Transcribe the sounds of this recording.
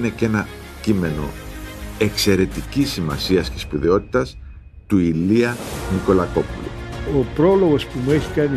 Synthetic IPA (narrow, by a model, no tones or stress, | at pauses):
ne̞ce̞nɐ | cime̞no̞̰ | e̞kse̞ɾe̞t̪icisːimɐ̰siɐscespuðeo̞t̪i̥t̪ɐs | t̪uiliɐniko̞lɐko̞pulṵopɾoloɣo̞spumueçikɐni